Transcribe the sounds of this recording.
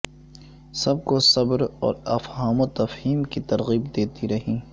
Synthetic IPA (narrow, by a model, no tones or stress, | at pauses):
sɐb̚kosɐbɾɔ̰ːɾɐfɦaːmot̪ɐfhiːmkit̪ɐɾɣiːbd̪eːt̪iɾɐɦĩː